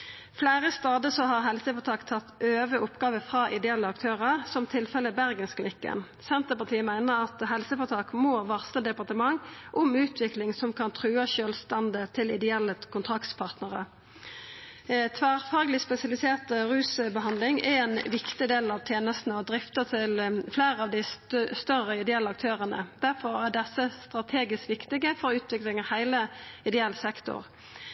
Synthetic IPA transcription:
flæːʁəst̪ɑːd̪əsɔhɑʁɦɛlsəfɔt̪ʰɑːkt̪ʰɑt̪ːøːʋəʔʊpːɡɑːʋəfʁɑʔɪd̪ɛɛlːəɑkt̪ʰøːʁəʁsɔmt̪ʰɪlfɛləbæʁɡənskʰlɪnɪkːə̰n | sɛnt̪əpɑt̪ʰiːəmæɪnəɾɑt̪ɦɛlsəfɔt̪ʰɑːkmoːʋɑʁsləd̪ɛpɑʁt̪əmɑŋʔʊmʉːt̪ʰʋɪklɪŋsɔmkʰɑnt̪ʰʁʉːɑʃøːlst̪ɑnd̪ət̪ʰɪlɪd̪ɛɛlːəkʰʊnt̪ʰʁɑkt̪spʰɑʁt̪nəʁə̰ | t̪ʰʋæːʁfɑːɡlɪspɛsɪɑlɪseːʁt̪əʁʉːsbəɦɑnd̪lɪŋɛɛnʋɪkt̪ɪd̪eːlɑʋt̪ʰjeːnəst̪nəɔd̪ɾɪft̪ət̪ʰɪlfleːʁəɑʋd̪ɪsst̪œʁəɪd̪ɛɛlːəɑk̚t̪ʰøːʁənə̰d̪̥æʁfɔʁæɖɛsːəst̪ʁɑt̪ʰeːɡɪskʋɪkt̪ɪɡəfɔʁʉːt̪ʰʋɪklɪŋəhæɪləɪd̪ɛɛlːsɛkt̪ʊ̰ʁ

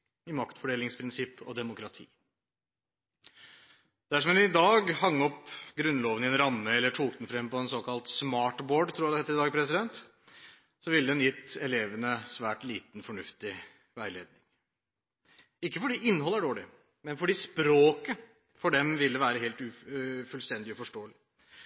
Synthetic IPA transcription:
ɪmɑkt̪fɔɖeːlɪŋspʰɾɪnsɪpːɔ̰d̪ɛmʊkʰɾɑt̪ʰḭː | d̪æʂ̬ɔmd̪ɛnɪd̪ɑːɡhɑŋːɔpɡɾʉnːlɔːʋənɪɛnɾɑmːəɛlːəʈʰuːk̚d̪n̩fɾɛmːpɔɛnsɔkʰɑlt̪smɑːʈboːɖt̪ʰɾuːjɑd̪ɛheːt̪ːɾɪd̪ɑːɡpʰɾɛsɪd̪ɛnt̪ | sɔʋɪlːəd̪ɛnjɪt̪ːɛleːʋənəsʋæːʈliːt̪nfɔɳʉft̪ɪ | ʋæɪlḛːd̪nɪŋ | ɪkːəfɔɖiːʔɪnːhɔlːəæɖoːɭɪ̰ | mɛnfɔɖiːspɾoːkə | fɔɖɛmʋɪld̪əʋæːɾəɦeːlt̪ʉfʉlst̪ɛnd̪ɪɔfɔʂʈoːəlɪ

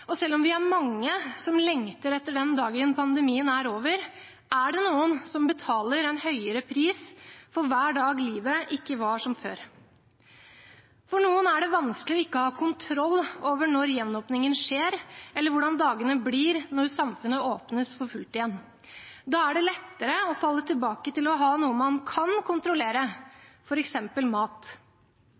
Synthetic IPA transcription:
ɔsɛlːɔmʋɪæɾmɑŋːəsɔmlɛŋt̪əɾɛt̪ːəɖɛnd̪ɑːɡəənpʰɑnd̪əmiːənæɾoːʋəɾ | ʔæɖɛnuːənsɔmbət̪ʰɑːləɾɛɪnhœʏəɾəpʰɾiːsfɔɾʋæːɖɑːɡliːʋəʔɪkːəʋɑʂɔmfø̰ːɾ | fɔɳuːənæɖɛʋɑnsklɪɔɪkːəhɑːkʰʊnt̪ʰɾɔlːoːʋəɳɔɾjɛnːɔːpnɪŋənʂeːɾɛlːəɾʋʊɖɑnd̪ɑːɡənəbliːɾnɔɾsɑmfʉnːəoːpnəsfɔɾfʉlt̪ɪjɛnː | d̪ɑːæɖɛlɛt̪ːəɾəɔfɑlːət̪ʰɪlbɑːkət̪ɪlɔɦɑːnuːəmɑnkʰɑnkʰʊnt̪ɾʊleːɾəfɔɾɛksɛmpəlmɑːt̪

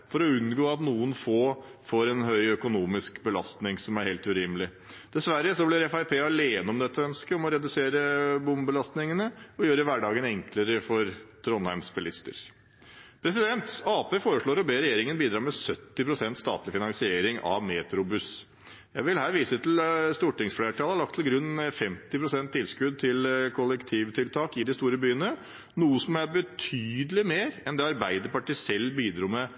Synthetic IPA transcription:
fɔɾɔʉnɡoːɑt̪nuːənfoːfɔɾɛnɦœʏœkʊnuːmɪskbəlɑ̰st̪nɪŋsɔmæɾheːlt̪ʉɾɪːmlɪ | d̪̥ɛsʋæɾːəsɔblɪɾɛfæɪpʰeːɑleːnəɔmd̪ɛt̪ʰːəœnskəɔmɔɾɛd̪ʉseːɾəbʊmbəlɑst̪nɪŋənəɔjøːɾəəʋæɖɑːɡənɛŋkləɾəfɔɾt̪ʰɾɔnhæɾmspɛlɪst̪ə̰ɾ | pʰɾɛs̬ɪd̪ɛnt̪ɑːpeːfoːɾəʂɭoːɾɔbeːɾɛjeːɾɪŋənbiːd̪ɾɑːmɛsœt̪ːɪpʰɾʊsɛnt̪st̪ɑ̰ːt̪lɪfɪnɑŋsɪeːɾɪŋɑ̰ʋmeːt̪ɾʊbʉs | jæɪʋɪlhæːɾʋiːsət̪ʰl̩st̪uːʈɪŋsfleːʈʰɑːləhɑɭɑk̚t̪ʰlɡɾʉnːfɛmt̪ɪpʰɾʊsɛnt̪ʰːɪlskʉd̪̚t̪ʰɪlkʰʊlɛkt̪ʰiːʋt̪ʰɪlt̪ʰɑːkɪd̪ɪst̪uːɾəbyːənə | nuːəsɔmæɾbət̪ʰyːd̪əlɪmeːɾɛnd̪ɛɑɾbæɪd̪əɾpɑʈiːsɛlːbiːd̪ɾuːmɛ

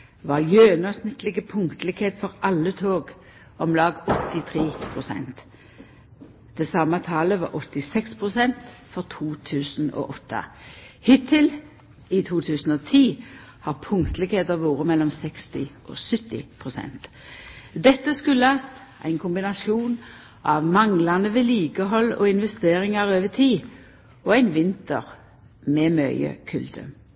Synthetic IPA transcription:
ʋɑjøːnɑsnɪt̪lɪɡəpʰʊŋkt̪əlɪkheːt̪fɔʁɑlːət̪ʰoːɡ | ɔmlɑːɡɔt̪ːɪt̪ʰʁeːpʰʁʊsɛ̰nt̪ | d̪̥ɛsɑmːət̪ʰɑːləʋɑ̰ːɾʔɔt̪ːɪsɛkspʰʁʊsɛnt̪fɔʁt̪ʰuːt̪ʰʉːsno̰ːʔɔt̪ʰːə̰hɪt̪ʰːɪl | ɪt̪ʰuːt̪ʰʉːsn̩ɔːt̪ʰiː | hɑːʁpʰʊŋkt̪lɪkheːt̪əʋoːʁəmɛlːɔmsɛkst̪ɪʔɔ̰sʏt̪ːɪ̰pʰʁʊsɛ̰nt̪ | d̪ɛt̪ːəskʉləɑst̪ | ʔæ̰ɪnkʰʊmbɪnɑsjuːn | ʔɑʋmɑŋlɑnəʋɛliːkəɦɔlːɔ̰ɪnʋɛst̪eːʁɪŋɑʁøːʋət̪ʰiː | ɔæɪnʋɪnt̪ə̰ʁ | mɛːmœʏə̰kʰʉld̪ə̰

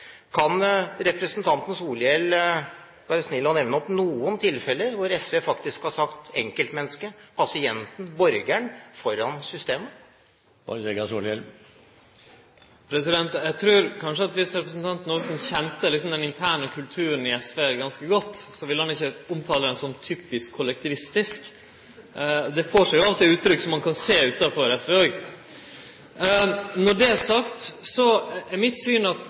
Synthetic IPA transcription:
kʰɑnɾɛpɾəsənt̪ʰɑnt̪n̩suːlɪɛl | bɑːɾəsnɪlːəɔnɛʋnəɔpnuːənt̪ʰɪlfɛlːəɾʋʊɾɛsʋeːfɑkt̪ɪskhɑsɑkt̪ɛŋkəlt̪mɛnːskəpʰɑsɪɛnt̪n̩bɔɾɡæɳfɔɾːɑnsʏst̪eːmə̰ | ɛɡɑsuːlɛl | pʰɾɛsɪd̪ɛnt̪jæɡt̪ʰɾʉːɾkʰɑnʂəɑt̪ʋɪsɾɛpɾəsənt̪ʰɑnt̪nɔsənçɛnt̪əlɪksɔmd̪ɛnɪnt̪ʰæːɳəkʰʉlt̪ʰʉːɾənɪɛsʋeːɡɑnskəɡɔt̪ːsɔʋɪlhɑnɪçːəʊmt̪ʰɑːləɾɛnsɔmt̪ʰyːpɪskʰːʊlɛk̚t̪ɪʋɪst̪ɪsk | d̪ɛfoːʂæjʊɑlt̪ːɛʉːt̪ːɾʏkːəsɔmːɑnkʰɑnseːʉːt̪ɑfɔɾɛsʋɛoːɡ | nɔɖɛæʂɑkt̪sɔæɾmɪt̪syːnɑt̪

